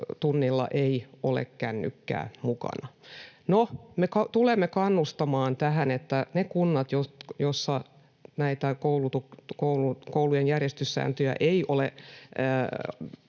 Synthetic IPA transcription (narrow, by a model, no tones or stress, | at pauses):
t̪unːilːɑ̰ʔeiolḛkkænːy̰kːæ̰ːmukɑ̰nɑnomekɑt̪ulemːekɑnːust̪ɑmɑːnt̪æhænet̪ːænekunːɑt̪jojosːɑ | næit̪ækoulut̪ukkoulukoulujenjærjest̪ysːæ̰ːnt̪yjæ̰ʔeiʔoleː